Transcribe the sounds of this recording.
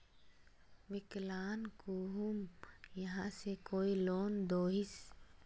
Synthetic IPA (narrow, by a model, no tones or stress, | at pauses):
ʋɪklaːnkuːɦumjɐɦãsekoːiloːnd̪oːɦɪs